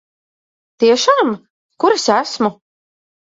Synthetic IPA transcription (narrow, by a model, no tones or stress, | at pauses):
t̪iɛʃaːm | kuɾɛsæsmu